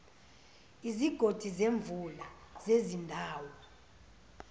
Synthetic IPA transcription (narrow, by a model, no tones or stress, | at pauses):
iziɡ̥ʱod̥ʱizeɱvula | z̥ezindʱaːwɔ